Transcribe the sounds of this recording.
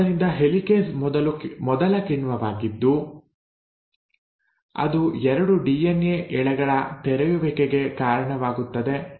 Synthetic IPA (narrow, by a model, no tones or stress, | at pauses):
ɐɾind̪ɐɦelikeːsɐlumɔd̪ɐlɐkiɳʋɐʋaːɡid̪ːu | ɐ̰d̪uɛɾɐɽuɖiːeneʔɛɭɛɡɐɭɐt̪ɛɾɛjuʋeːkeɡe̞kaːɾɐɳɐʋaːɡut̪ːɐd̪e̞